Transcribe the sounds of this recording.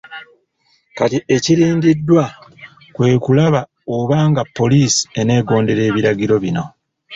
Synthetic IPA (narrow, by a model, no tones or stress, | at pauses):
katie̞ciɾiːndidːwa | kwe̞ːkulaβa | oβaːŋɡapːo̞liːsi̥e̞ne̞ːɡo̞ːnde̞ɾe̞ːβiɾaɟiɾo̞βino̞